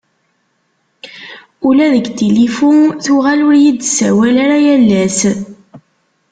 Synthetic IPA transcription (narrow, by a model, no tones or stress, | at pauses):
ulæðəɡt̪ilifunθuʁalʊɾjid̪sæwælaɾajælːæs